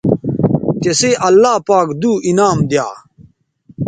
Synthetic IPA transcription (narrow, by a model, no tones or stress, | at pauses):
keseʔɐlːaːpaːkd̪uːinaːmd̪jaː